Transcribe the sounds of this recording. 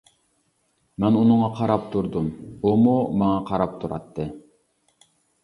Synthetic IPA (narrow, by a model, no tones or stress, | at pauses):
mɛnunʊŋɑqʰɑɾɑpt̪ʰuɾd̪umomumɑŋɑqʰɑɾɑp̚t̪ʰuɾɑ̰t̪ːɨ